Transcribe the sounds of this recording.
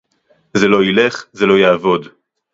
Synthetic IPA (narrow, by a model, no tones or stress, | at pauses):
zelo̞ile̞χzelo̞jaːvo̞d̪